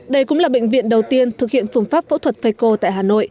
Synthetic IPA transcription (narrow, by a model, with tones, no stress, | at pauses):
ɗə˧jkʊ̰˧˥ŋ͡mlaː˨˩ɓḛ˧˨ŋ̟vḭ˧˨ənɗə˨˩wt̪i˧ənt̪ʰɨ˨˩k̚hḭ˧˨ənfu˨˧˩ŋ͡mfaː˦˥p̚fo̰˧˥t̪ʰwə˨˩t̚fə˧jko˧t̪a̰ː˧˨jɦaː˨˩no̰˧˨jʔ